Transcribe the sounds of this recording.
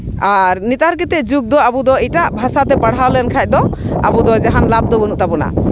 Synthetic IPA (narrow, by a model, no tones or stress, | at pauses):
aɾnit̪aɾkɛt̪ɛʔd͡ʒuɡ̚d̪ɔabud̪ɔiʈaʔbʱasat̪ɛpaɽ̤awlɛnkʰac̚d̪ɔa̰bud̪ɔd͡ʒaɦanlab̚d̪ɔbənuʔt̪apɔna̰